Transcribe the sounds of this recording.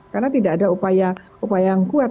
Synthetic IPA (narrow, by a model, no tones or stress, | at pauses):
karnat̪idaʔːdaupaja | upajajŋkuat̪